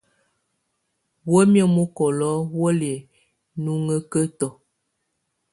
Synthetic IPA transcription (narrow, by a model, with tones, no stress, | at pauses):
wə˦mjɔ˦mo˦kɔ˨lɔ˦wə˦le˨ | nu˦ŋə˦kə˦tɔ˨